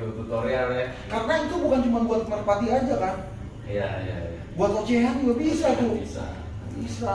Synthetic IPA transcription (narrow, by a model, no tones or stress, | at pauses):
ut̪ut̪oɾealɛkarnait̪ubukant͡ʃumanbuat̪̚mərpat̪iad͡ʒakan | jaja̰ | buat̪at͡ʃeɦad͡ʒuɡabisat̪ʊsa̰ | bisa